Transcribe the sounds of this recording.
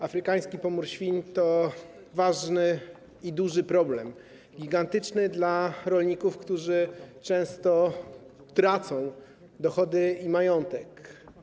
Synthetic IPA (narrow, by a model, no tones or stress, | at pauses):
afɾɘkaj̃skʲipɔmuɾɕfʲint̪ɔ | vaʐnɘ | id̪uʐɘpɾɔblɛm | ɡʲiɡant̪ɘt͡ʂnɘd̪laɾɔlɲikufkt̪uʐɘt͡ʂɛ̃w̃st̪ɔ | t̪ɾat̪sɔ̃w̃ | d̪ɔxɔd̪ɘimajɔnt̪ɛk